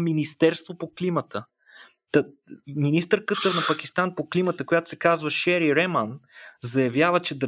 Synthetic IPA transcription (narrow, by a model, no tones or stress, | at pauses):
minist̪ɛɾst̪vopoklimət̪ə | t̪ə | minist̪əɾkət̪ənɐpɐkʲist̪anpoklimət̪əkojat̪o̥sɛkazvəʃɛɾiɾɛmənzɐjɐvjavət͡ʃɛd̪